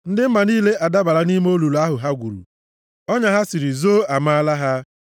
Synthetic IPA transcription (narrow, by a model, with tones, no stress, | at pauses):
n̩˦dɪ˦m̩˦ma˨niː˦le˦ʔa˨da˦ba˨ɾa˦ni˦m˦o˦lu˨lu˨˦a˦ɦʊ˨ɦa˦ɡʷṵ˨ɾṵ˨ | ɔ˦ɲa˦ɦa˦si˨ɾi˨zoː˦a˨ma˦a˦la˦ɦa˦